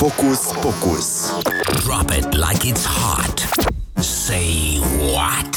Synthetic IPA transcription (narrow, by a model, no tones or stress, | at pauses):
fokusfokusd̥ɹɑpɪ̰tla̰ɪkɪtsha̰ɹt | seɪwɔ̰t